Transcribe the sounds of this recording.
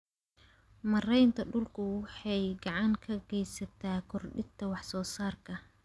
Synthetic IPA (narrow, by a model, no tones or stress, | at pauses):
mɐrɛjnt̪ʰɐɖʊlkʰʊwɑħɑjɡɑʕɑŋkʰɐɡɛjsɐt̪ʰaːkʰɔrɖɪt̪ʰɐwɑħsɔːsaːrkʰɐ